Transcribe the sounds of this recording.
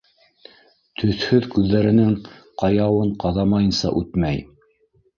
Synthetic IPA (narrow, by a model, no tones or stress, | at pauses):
t̪ʰɵ̆θhɵðkʉðːæɾɘ̆nɘŋqɑjɑwɤɴqɑðɑmɑjɤ̆nsɑ̰ʔʉt̪mæj